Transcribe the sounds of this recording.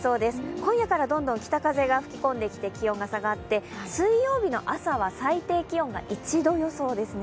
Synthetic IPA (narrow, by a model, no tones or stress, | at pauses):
so̞ːd̪e̞sɨ̥kõɰ̃jakaɾad̪õ̞nd̪õ̞ŋkʲi̥t̪akaze̞ɡaɸɯ̟̥kʲi̥kõ̞nd̪e̞kʲi̥t̪e̞kʲiõ̞ŋɡasaɡat̪ːe̞sɨijo̞ːbʲino̞̰ʔasaβ̞asait̪e̞ːkʲiõ̞ŋɡa̰ʔit͡ɕid̪o̞jo̞so̞ːd̪e̞sɨne